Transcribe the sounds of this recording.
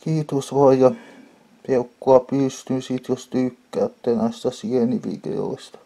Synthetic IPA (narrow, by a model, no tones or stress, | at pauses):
kiːt̪osʋɑjjɑ | peukːoɑpyˑst̪yːsiːˑt̪jost̪yːkːæːˑt̪ːeːnæˑist̪æsieniʋḭd̪ḛo̰ist̪ɑ̥